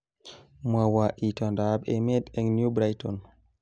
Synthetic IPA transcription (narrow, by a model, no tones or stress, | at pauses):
mawaʔitɔndabɛmɛdɛŋnjubɾajtɔn